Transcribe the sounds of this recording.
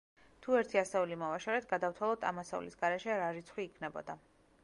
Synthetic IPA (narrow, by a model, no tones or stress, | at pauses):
t̪ʰuɛɾt̪ʰiasɛulimɔvaʃɔɾɛt̪ʰɡad̪aft̪ʰwalˠɔt̪ʰʼa̰masɛṵlḭsɡaɾɛʃɛɾaɾit̪sʰχwiːkʰnɛbɔ̰d̪a